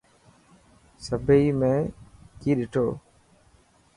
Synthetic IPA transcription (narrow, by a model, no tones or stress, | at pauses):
səbʱəiːmẽːkiːɗɪʈʰoː